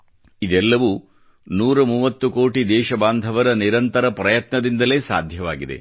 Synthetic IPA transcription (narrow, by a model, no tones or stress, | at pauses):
id̪ɛlːɐʋuː | nuːɾɐmuːʋɐt̪ːuko̞ːʈid̪ɛːʃɐbaːnd̪ʱɐʋɐɾɐniɾɐnt̪ɐɾɐpɾɐjɐt̪nɐd̪ind̪ɐle̞ːsa̰ːd̪ʱjɐʋa̰ːɡid̪e̞̰